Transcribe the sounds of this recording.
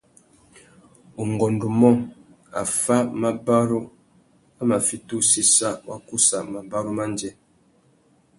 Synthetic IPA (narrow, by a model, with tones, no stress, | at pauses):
u˨ŋ˨ɡɔ˨ndu˨mɔ˦ | a̰˨fa˦ma˦ba˦ɾu˦ | a˦ma˨fi˦tu˦si˦sa˦wa̰˦ku˦sa˨ma˨ba˦ɾu˦ma˦nd͡ʒɛ˦